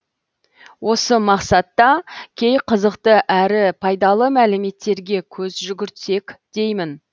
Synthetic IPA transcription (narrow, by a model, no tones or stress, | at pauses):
wʔo̞səmɑqsɑt̪ːɑkʲʰe̞jqʰəzəqt̪əʔæɾɪpʰɑjd̪ɑlˠəmælɪme̞t̪ːe̞ɾɡʲe̞kʲʰɵzʒʏɡʲɪɾt̪se̞kʲd̪̥e̞jmɪn